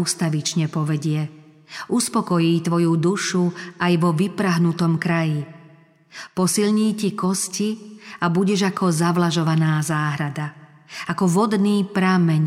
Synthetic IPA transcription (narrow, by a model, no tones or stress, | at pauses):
ust̪aʋit͡ʃɲɛpɔʋɛɟɪɛ | ʔuspɔkɔjiːt̪ʋɔjud̪uʃuajʋɔʋipɾaɦnut̪ɔmkɾaji | pɔsilɲiːcikɔsciabuɟɛʒakʰɔzaʋlaʒɔʋanaːzaːɦɾad̪a | akɔʋɔd̪niːpɾamɛɲ